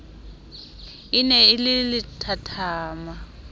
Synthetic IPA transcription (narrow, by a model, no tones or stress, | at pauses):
inɛilɪlɪtʰatʰaːma